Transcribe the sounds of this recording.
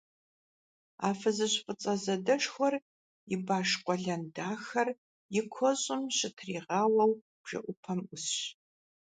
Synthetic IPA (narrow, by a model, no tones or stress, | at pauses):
a̰ːfɐzɨɕfʼət͡sʼɐzɐdɐʂxʷɔr | jɪbaːʂqʷʼɔɮɐndaːxɐr | jɪkʷʰɔɕʼɪmɕɪtʰriːʁɑːwɐw | b̥ʒ̥ɐ̰ʔʷʊpʰɐmʊsɕ